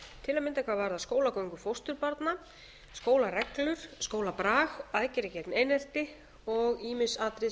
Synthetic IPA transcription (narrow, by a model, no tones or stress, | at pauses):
t̪ʰɪlamɪnt̪akʰvaːvaɾðaskoːwlakowŋkʏfowst̪ʏɾpaɾt̪na | skoːwlarɛklʏɾ̥skoːwlapɾaːɣaːjcɪɾɪcɛt̪neːjnɛl̥t̪ɪ | ɔɣiːmɪsaːt̪ɾɪ